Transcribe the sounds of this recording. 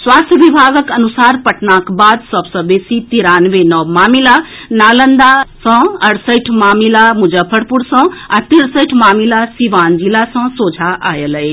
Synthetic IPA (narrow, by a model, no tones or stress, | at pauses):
swaːst̪ʰjəʋibʱaːɡəkənusaːɾpəʈʰnakbaːd̪səbsə̃besit̪iɾanʋenɔwmaːmilanaːlənd̪asə̃ɐɽsəʈʰmaːmilamud͡ʒəpʰəɽpuɾsə̃at̪iɾsəjʈʰmaːmilasiʋand͡ʒilasə̃soːd͡ʒʱaʔaːjələj